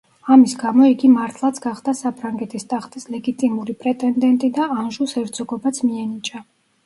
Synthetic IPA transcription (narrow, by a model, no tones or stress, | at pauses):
amisɡamɔiɡimaɾt̪ʰlˠat̪sʰɡaχd̪asapʰɾaŋɡɛt̪ʰist̪ʼaχt̪ʼislɛɡit̪ʼimuɾipʼɾɛt̪ʼɛnd̪ɛnt̪ʼid̪aanʒusɛɾd̪sʼɔɡɔbat̪sʰmiɛnit͡ʃʼa